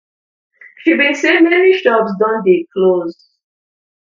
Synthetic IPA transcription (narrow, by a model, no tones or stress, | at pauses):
ʃibĩnsẽmɛniʃɔbsdãndekʰloz